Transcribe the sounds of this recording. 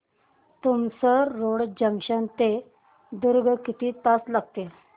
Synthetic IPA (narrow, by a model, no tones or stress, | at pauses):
t̪umsəɾoɽd͡ʑəŋɕənt̪e | d̪uɾɡʱkit̪ʰiːt̪aslaɡ̚t̪e